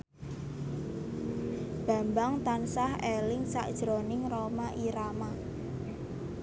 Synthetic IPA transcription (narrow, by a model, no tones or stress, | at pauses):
b̥a̤mbaŋt̪ansahɛlɪŋsa̰ʔd̥ʒ̥ɾonɪŋromaʔiɾama